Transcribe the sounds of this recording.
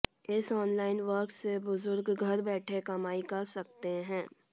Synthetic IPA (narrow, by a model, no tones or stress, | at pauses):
ɪsɔːnlaːɪnʋəɾk̪sebʊzʊɾɡɡʱɐɾbɛːʈʰekɐmaːikɐɾsɐk̚t̪eɦɛ̃ː